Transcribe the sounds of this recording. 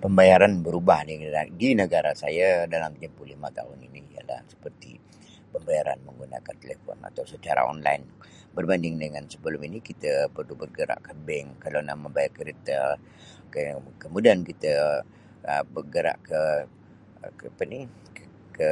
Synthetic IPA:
pəmbajaɾanbəɾubahniaɡinəɡaɾasajadalamkəd͡ʒəmpulimat̪a̰ɦʊniniija̰la̰hsə̥pərt̪ḭ | pəmbajaɾa̰nməŋɡuna̰kant̪əlefɔ̰na̰t̪awsət͡ʃaɾa̰ɔ̰nla̰in | bərbandɪŋdəŋansəbəlʊminikit̪əpərlubərɡəɾa̰ʔkəbɛŋkalana̰hməmbajarkəɾit̪ə | kəkəmudaankit̪ə | əbərɡəɾa̰ʔkə | apani | kə

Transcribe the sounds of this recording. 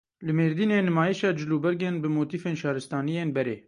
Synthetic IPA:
lɨmeːɾd̪iːneːnɨmaːjiʃɑːd͡ʒɪluːbɛɾɡeːnbɨmoːt̪iːfeːnʃɑːɾɨst̪ɑːnijeːnbɛɾḛː

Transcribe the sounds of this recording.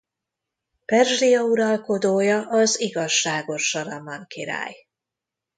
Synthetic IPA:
pɛrʒrijɒuɾɒlko̞d̪oːjɒʔɒziɡɒʃːaːɡo̞ʃːɒɾɒmɒŋkiɾa̰ːj

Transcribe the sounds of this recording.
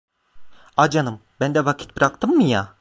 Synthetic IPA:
ad͡ʒanɯmbænd̪ɛvakʰi̥t̪̚bɾakt̪ʰɯmːɯja

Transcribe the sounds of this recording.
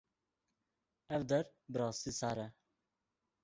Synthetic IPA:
ɛvd̪ɛɾbəɾɑːst̪iːsɑːɾɛ

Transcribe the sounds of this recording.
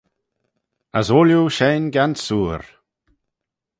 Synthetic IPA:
əzoːljuʃeːnɡansuːɾ

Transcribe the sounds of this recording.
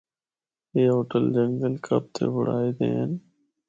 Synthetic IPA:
eːɦoːʈəld͡ʒəŋɡəlkʰəp̚t̪ʰḛːbʊɽ̤aːiːd̪ḛːən

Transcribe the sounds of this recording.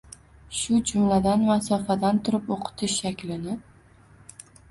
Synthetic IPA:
ʃʊd͡ʒʊmlad̪anmasɒfad̪ant̪ʰʊɾɪpoqʰɨ̥t̪ʰɪʃːakʲlɪnɪ

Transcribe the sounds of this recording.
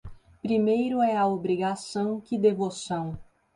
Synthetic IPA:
pɾimejɾʊɛɐobɾiɡasɐ̃w̃kɪd̪evosɐ̃w̃

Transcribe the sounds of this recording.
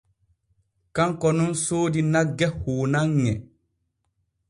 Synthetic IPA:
kaŋkɔnũnsoːdinaɡɛhoːnaŋːɛ

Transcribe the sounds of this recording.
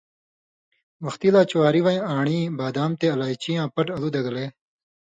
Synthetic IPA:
ʋɐxt̪iːlaːt͡ɕuwaːɾiʋãːĩaːɳ̃iːbaːd̪aːmt̪eːɐlaːit͡ɕijãːpɐʈɐluːd̪ɐɡleː

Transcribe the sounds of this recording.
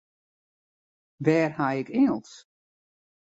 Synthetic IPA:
ʋɛːrhajɪkʰɪŋəlˠs

